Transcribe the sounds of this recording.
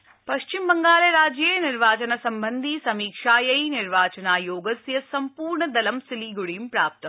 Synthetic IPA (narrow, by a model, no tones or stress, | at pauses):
pɐʂt͡ʃimbɐŋɡaːlɐɾaːd͡ʒjeːniɾʋaːt͡ʃɐnɐsɐmbɐnd̪ʱisɐmiːkʂaːjɐjniɾʋaːt͡ʃɐnaːjoːɡɐsjɐsɐmpuːɾɳɐd̪ɐlɐmsiliɡuɽimpɾaːp̚t̪ɐm